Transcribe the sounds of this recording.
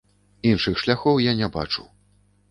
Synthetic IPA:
inʂɨxʂlʲaxɔwjanʲɛba̰t͡ʂṵw

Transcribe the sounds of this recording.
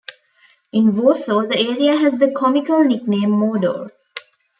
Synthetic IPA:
ɪ̃nʋoːsoːd̪əeːɾiaɦɛzd̪əkʰɔmɪkəlnɪknẽːmːoːɖo̰ː

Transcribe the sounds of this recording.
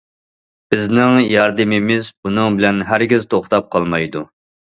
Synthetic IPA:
b̥ɪznɪŋjɑɾd̪ɨmɪmɪzbunɨŋbɪlɛnɦæɾɡʲiz̥t̪ʰoχt̪ɑp̚qʰɑlˠmɑjd̪u

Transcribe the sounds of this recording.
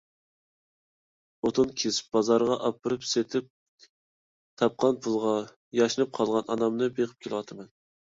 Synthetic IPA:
ot̪ʰunkʲʰesb̥ɑzɑɾʁɑʔɑpːɨɾɨpset̪ʰɪp̚ | t̪ʰɑp̚qʰɑnpʰulˠʁɑ | jɑʃɨnɨp̚qʰɑlˠʁɑnɑnɑmnɨbeqʰɨ̥p̚kʲʰelwɑt̪ʰɨmɛn

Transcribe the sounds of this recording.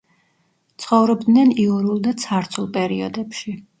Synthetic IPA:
t̪sʰχɔvɾɔbd̪nɛniɔɾulˠd̪at̪sʰaɾt̪ʰulˠpʼɛɾiɔ̰d̪ɛpʃi

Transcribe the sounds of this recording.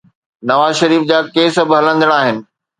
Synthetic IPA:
nɐʋaːzʃɐɾiːfd͡ʑaːkeːsbɦɐlə̃nd̪əɽ̃aːɦɪnɪ̆

